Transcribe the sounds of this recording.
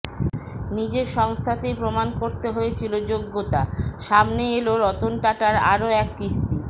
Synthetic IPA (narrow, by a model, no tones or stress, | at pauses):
nid͡ʑeɾʃɔŋst̪ʰat̪epɾomankoɾt̪eɦoet͡ɕʰilod͡ʑoɡːot̪aʃamneeloɾɔt̪onʈaʈaɾa̰ɾoɛkːist̪ʰi